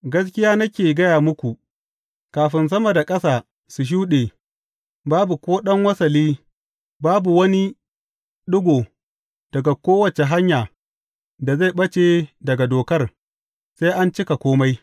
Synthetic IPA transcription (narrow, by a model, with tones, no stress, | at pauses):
ɡɐ˦s̬kʲɪ˦jaː˦nɐ˦kʲeː˨ɡɐ˦jaː˨mʊ˦kʷu˨ʔ | kaː˨ɸɪ˦ns̬ɐ˦mɐ˨da˨kʼɐ˦saː˨ | su˨ʃ̬uː˦ɗeː˨ | baː˦bu˨kʷoː˦ɗɐ˦ŋwɐ˦sɐ˨liː˦ | baː˦bu˨wɐ˦ni˦ | ɗʊ˦ɡʷoː˨ | d̥ɐ˨ɡa˨kʷoː˦wɐ˨t͡ʃe˨ɦa˦ɲjaː˨ | da˨za˦˨ɓɐ˦t͡ʃe˨dɐ˨ɡa˨doː˨kɐ˦r | sa˦jʔa˦nt͡ʃɪ˦ka˨kʷoː˦ma˦j